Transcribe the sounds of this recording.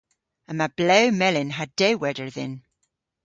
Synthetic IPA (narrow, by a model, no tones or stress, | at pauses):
əmab̥leʊmɛlɪ̃nɦəddeɪwɛðə˞ðɪ̰̃n